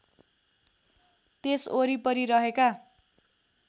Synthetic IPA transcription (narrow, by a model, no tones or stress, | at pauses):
t̪esoɾipʌɾiɾʌɦeka